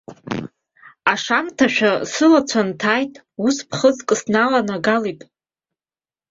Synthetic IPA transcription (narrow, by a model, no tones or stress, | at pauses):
aʂamtʰaʃᶣasɨlat͡sʷʰantʰaːjtʼ | uspʰχəzkʼɨsnalanaɡalitʼ